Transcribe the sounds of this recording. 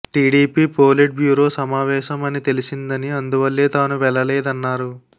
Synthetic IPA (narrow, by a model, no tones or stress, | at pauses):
ʈiːɽiːpiːpoːliʈ̚bjuːɾo̞ːsɐmaːʋɛːʃɐmɐnit̪e̞lisind̪ɐniɐnd̪uʋɐlːeːt̪aːnuʋɛlːɐlɛːd̪ɐnːaːɾu